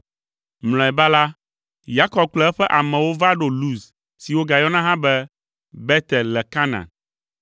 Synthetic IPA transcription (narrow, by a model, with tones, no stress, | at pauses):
mlɔ̃˨ɛ˨ba˦la˦ | ja˦kɔ˨b̚k͡plɛ˦ɛ˦ɸɛ˦ʔa˨mɛ̃˨wo˦va˦ɖo˨lu˦˨s | si˨wo˦ɡa˨jɔ˦nã˦ɦã˦bɛ˦ | bɛ˦t̪ɛ˨llɛ˨ka˦nã̰˨n